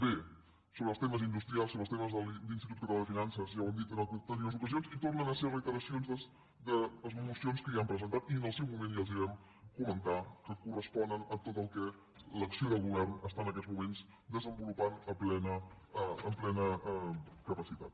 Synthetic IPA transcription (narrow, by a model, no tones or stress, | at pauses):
be | soβɾəlˠst̪eməzind̪ust̪ɾialˠsoβɾəlˠt̪eməzðəllinst̪it̪ut̪kət̪ualˠd̪əfinansəzʒawəmd̪it̪ənat̪t̪əniunzukəzionzit̪ornənəsɛrət̪əɾəsionzðəs | d̪ələzβulusionskəiampɾəzənt̪at̪iənəlˠsɛwmumẽnjalˠziɾɛm | kumənt̪akəkurəspɔnənət̪ot̪əlˠkɛ | ləksioðəlˠɣuβɛrnəst̪aənəkɛd̪zmumenz | d̪əzəmbulupanəmplɛnə | əmplɛnəɛkəpəsit̪a̰t̪